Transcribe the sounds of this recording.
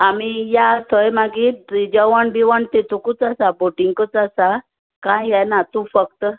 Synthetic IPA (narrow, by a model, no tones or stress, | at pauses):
amijat̪ʰojmaɡid͡ʑəʋaɳbiʋəɳt̪et̪ukut͡sasaboʈiŋɡkət͡sasa | kãjɦjajnat̪ufək̚t̪ə